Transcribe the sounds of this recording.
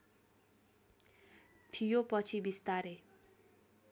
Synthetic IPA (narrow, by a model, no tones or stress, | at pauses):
t̪ʰijopʌt͡sʰibist̪aɾe